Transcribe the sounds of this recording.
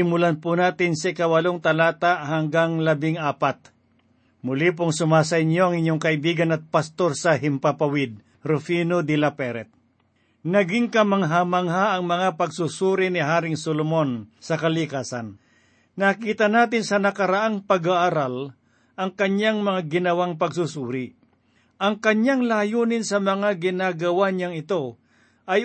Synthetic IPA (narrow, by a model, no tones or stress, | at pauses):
ɪmʊlanpʊnaːt̪ɪnsɐikɐwɐloŋt̪ɐlaːt̪aʔhɐŋɡaŋlɐbɪŋaːpat̪̚ | mʊlip̬ʊŋsʊmaːs̬ɐɪɲoɐŋɪɲjoŋkɐɪbiːɡɐnɐt̪̚pɐst̪o̞ɾsɐɦɪmpapɐwɪd̪̚ | ɾʊfiːnod̪ɪlapɛɾɛt̪̚ | nɐɡɪŋkɐmɐŋɦamaŋɦaɐŋmɐŋapɐɡsusuːɾɪnɪɦaːɾɪŋsolomo̞nsɐkɐlɪkaːsɐn | nakiːt̪ɐnaːt̪ɪnsɐnɐkɐɾaʔaŋpɐɡaʔaɾal | ʔɐŋkɐɲjaŋmɐŋaɡɪnɐwaŋpɐɡsusuːɾɪ | ʔɐŋkɐɲjaŋlaːjuːnɪnsɐmɐŋaɡɪnaːɡɐwaɲaŋɪt̪o̞ | ʔɐj